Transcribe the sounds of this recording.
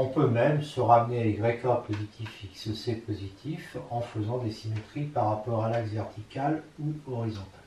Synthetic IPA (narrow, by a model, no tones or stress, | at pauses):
ɔ̃pømɛmsəʁamneaeɡʁekapozit̪ʰifːiksəsepozit̪ʰifɑ̃fəzɑ̃d̪esimet̪χipaʁːapɔʁalaksvɛʁt̪ʰikʲaluɔʁizɔ̃t̪ḁl